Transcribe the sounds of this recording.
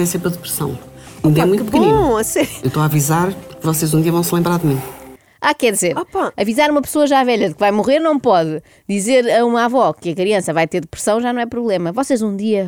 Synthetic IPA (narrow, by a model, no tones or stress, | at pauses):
ɛseɾpɾɐðɨpɾɨsɐ̰̃w̃ | ũd̪ɛmũtk̪pkbknĩɐsɛɾewt̪oavizaɾpuɾkvɔsezũd̪iɐvɐ̃w̃slˠẽmbɾaɾðmĩ | akɛɾðizeɾpaɐvizaɾumɐpsoɐʒavɛʎɐðɨkvajmuʁeɾnɐ̃w̃pɔðɨ | d̪izeɾɐumavɔkɨɐkɾiɐ̃sɐvajt̪eɾðɨpɾɨ̥sɐ̃w̃ʒanɐ̃w̃ɛpɾuβlˠemɐvɔsezũd̪iɐ